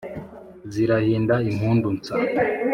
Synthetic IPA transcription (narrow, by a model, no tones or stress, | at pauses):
ziɾahiːndaimhuːndunt͡sa